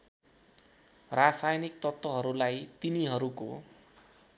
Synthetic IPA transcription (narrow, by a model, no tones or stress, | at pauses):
rasajnik̚t̪ʌt̪ːwʌɦʌɾulajt̪iniɦʌɾuko̰